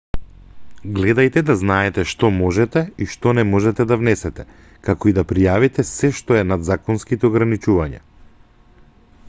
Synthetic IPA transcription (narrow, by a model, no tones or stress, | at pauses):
ɡlɛd̪ajt̪ɛd̪aznaɛt̪ɛʃt̪ɔmɔʒɛt̪ɛiʃt̪ɔnɛmɔʒɛt̪ɛd̪avnɛsɛt̪ɛ | kakɔid̪apɾijavit̪ɛsɛʃt̪ɔɛnad̪zakɔnskit̪ɛɔɡɾanit͡ʃuvaɲa̰